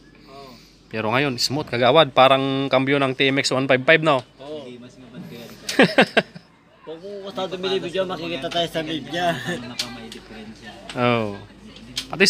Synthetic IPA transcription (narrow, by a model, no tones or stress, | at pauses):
pɛɾoŋajonismot̪̚kaɡawad̪̚paɾaŋkampionaŋt̪iɛmɛkswanpajb̚pajb̚nao | ot̪at̪umilibid͡ʒamakikit̪at̪aisamiɡ̚ɲa | o | pat̪i